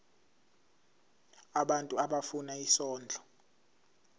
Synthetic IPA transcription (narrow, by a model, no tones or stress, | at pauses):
aɓantʼuaɓafunaisɔːnd͡ɮʱɔ